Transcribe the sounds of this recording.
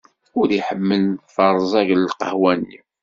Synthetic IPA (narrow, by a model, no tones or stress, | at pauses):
ʊɾiħəmːənfəɾˤzˤɑʝləlqə̰hwæni